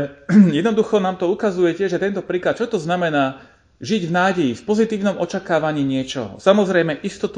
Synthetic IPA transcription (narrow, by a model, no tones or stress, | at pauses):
jɛd̪nɔd̪uxɔnaːmt̪ɔukazujɛcɛʒɛt̪ɛnt̪ɔpɾiːklat̪̚t͡ʃɔt̪ɔznamɛnaː | ʒiɟvnaːɟɛjifpɔzit̪iːʊnɔmʔɔt͡ʃakaːʋaɲiːɲɪɛt͡ʃɔ̰ɦɔ̰samɔzɾɛjmɛʔist̪ɔt̪u